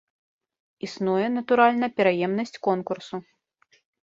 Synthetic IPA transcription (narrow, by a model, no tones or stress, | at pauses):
isnujɛnɐt̪uɾalʲnɐpʲɛɾajɛmnɐsʲt͡sʲkɔnkursu